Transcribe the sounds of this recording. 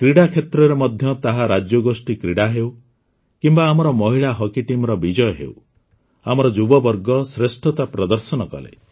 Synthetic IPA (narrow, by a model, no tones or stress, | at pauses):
kɾiɽakʰet̪ɾɔɾemɔd̪ʱjɔt̪aɦaɾad͡ʒjɔɡosʈikɾiɽaɦew | kimbaːmɔɾɔmɔɦiɭaɦɔkiʈimɾɔbid͡ʒɔjɔɦḛw | amɔɾɔd͡ʒubɔbɔɾɡɔsɾesʈʰɔt̪apɾɔd̪ɔɾsɔnɔkɔ̰lḛ